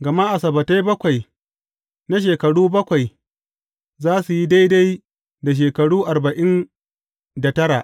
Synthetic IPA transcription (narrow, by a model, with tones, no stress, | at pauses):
ɡɐ˨ma˦ʔa˨sɐ˨bɐ˨ta˦jbɐ˦kʷa˨j | na˦ʃ̬eː˨kɐ˨ɽuː˦bɐ˦kʷa˨j | zaː˦su˨ji˦da˦jda˦j | da˨ʃ̬eː˨kɐ˨ɽuː˦ʔa˨ɾbɐ˨ʔɪ˦n | da˨tɐ˦ɽa˨ʔ